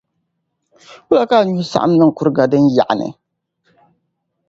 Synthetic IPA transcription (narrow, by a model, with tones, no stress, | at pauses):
wʊ˦la˨kaː˦˨ɲu˦hʊ˦sa̰˦ʔa̰˦m˦nɨ˦ŋ̩˨kʊ˦ɾɨ˦ɡa˨dɨ˦n˦ja˨ʔa˨nɨ̰˨